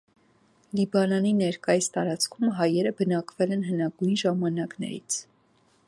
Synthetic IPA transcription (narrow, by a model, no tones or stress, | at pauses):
libɑnɑninɛɾkɑjist̪ɑɾɑt͡skʰumɦɑjɛɾəbənɑkvɛlɛnɦənɑɡujnʒɑmɑnɑknɛ̰ɾḭt͡sʰ